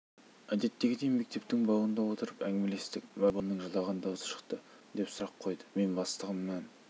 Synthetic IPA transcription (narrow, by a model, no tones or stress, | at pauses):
æd̪e̞t̪ːe̞ɡʲɪd̪e̞jme̞k̚t̪e̞p̚t̪ɪŋbɑwənd̪ɑwo̞t̪əɾəpæŋɡʲɪmele̞st̪ɪkʲwɑbɑmnəŋʒɑlˠɑʁənd̪ɑwzə̥ʃə̥qt̪ə | d̪e̞psʊɾɑqʰːo̞jd̪ə̥me̞nbɑst̪əʁəmmæn